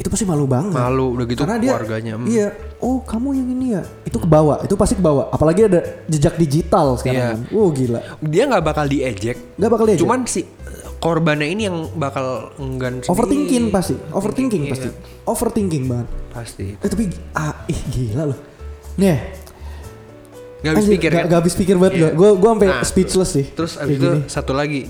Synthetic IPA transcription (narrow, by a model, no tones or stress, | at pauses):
it̪upast̪ihmalubaŋəmaludaɡitk̪arnadiarɡaɲaijaʔohkamujaŋinija | it̪ukəbawaʔit̪upast̪ikəbawaʔʔapalaɡiadad͡ʒəd͡ʒak̚did͡ʒit̪alsə̥kaaŋanohɡila̰diaŋɡaʔbakaldied͡ʒɛk̚ŋɡaʔbakaldiad͡ʒt͡ʃuɛmansɪhkorbanainijaŋbakaləŋɡansofərt̪iŋkɪŋpast̪iʔofərt̪iŋkɪŋpast̪ḭ | ofərt̪iŋkɪŋbaŋət̪̚past̪ḭt̪apiʔaɪhɡilalʊh | nɛh | ŋɡabasd͡ʒikɪɾɡaɡaːbɪspikɪrbaət̪ɡuaɡuaɡuaampɛspit͡ʃləsːɪht̪əɾʊsabd͡ʒiunɪsat̪ulaɡi